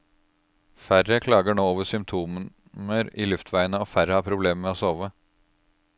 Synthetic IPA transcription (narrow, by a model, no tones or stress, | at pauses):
fæɾəkʰlɑːɡəɳoːoːʋəsʏmt̪ʰuːm | məɾḭːlʉft̪ʰʋæɪənəoːfæɾəhɑːpʰɾʊbleːmmeːoːsoːʋə